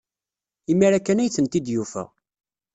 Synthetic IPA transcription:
imiɾækːænæjθənt̪id̪jufæ̰

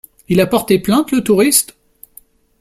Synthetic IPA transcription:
ilapɔʁt̪eplɛ̃t̪lət̪uʁist̪

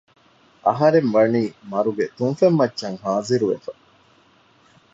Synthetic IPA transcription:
ʔɐ̰ɦɐɾemʋɐniːmɐɾuɡet̪uŋfemːɐtːʃɐŋɦaːziɾuʋḛfɐ

